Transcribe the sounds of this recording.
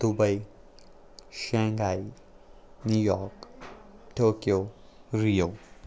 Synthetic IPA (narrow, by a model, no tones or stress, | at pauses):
d̪̥ʊbɐi | ʃɛ̃ːŋɡaːi | nuːjɔːɾk | ʈoːkijoː | ɾijoː